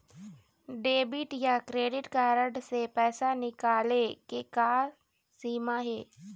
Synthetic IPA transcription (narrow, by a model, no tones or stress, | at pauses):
ɖeːbɪʈjakɾeːɖɪʈkaːɾəɖsepɛːsanɪkaːlekekaː | siːmaɦɛː